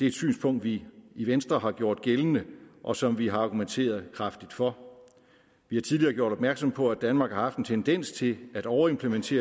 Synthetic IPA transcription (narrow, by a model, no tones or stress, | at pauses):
d̥e̝æed̥sy̰ːnspʰɔ̽ŋ̰d̥ʋiiʋensd̥ʁɐɦɑ̈ɡ̥jo̝ɐ̰d̥ɡ̥elənəʔɒ̽sɒ̽mʋiɦɑ̈ɑ̈ɡ̥ument͡sʰe̝̰ːɐð̞̩ˠkʰʁɑ̈fd̥id̥fɒ̽ | ʋihɑ̈t͡sʰiðˠliɐːɡ̥jo̝ɐɾ̥ɒ̽b̥mæɐɡ̥sɒ̽mpʰɒ̽æd̥ænmɑ̈ːɡ̥hɑ̈hɑ̈fd̥ent͡sʰend̥en̰st͡sʰe̝læɾ̥ɒʊɐe̝mpʰlement͡sʰe̝̰ːɐ